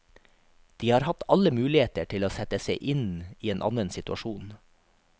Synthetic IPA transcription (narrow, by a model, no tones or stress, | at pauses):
d̪̥iːhɑːɾhɑt̪ɑləmʉːlɪheːt̪əʈʰɪloːsɛt̪əseɪʔɪniːeːnʔɑ̰nənsɪt̪ʉɑ̰ʃuːn